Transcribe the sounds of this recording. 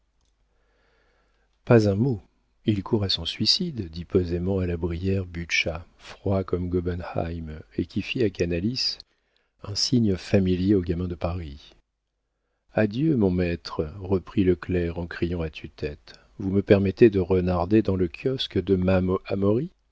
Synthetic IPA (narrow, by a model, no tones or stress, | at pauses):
pazɛ̃mo | ilkʰuʁasɔ̃sɥisid̪d̪ipozemɑ̃alabʁijɛʁbyʃafχwakɔmɡɔbɛnha̰jmekʲifiakanalis | ɛ̃siɲfamiljeoɡamɛ̃d̪əpaʁi | ad̪jømɔ̃mɛt̪χʁəpχiləklɛʁɑ̃kχijɑ̃at̪ʰyt̪ɛt̪ | vuməpɛʁmɛt̪ed̪əʁənaʁd̪ed̪ɑ̃ləkʲjɔskd̪əmamamɔʁi